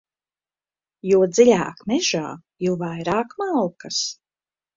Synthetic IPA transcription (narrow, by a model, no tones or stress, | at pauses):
juɔd̪zilʲa̰ːkmɛʒa̰ː | juvajɾaːkmalˠkas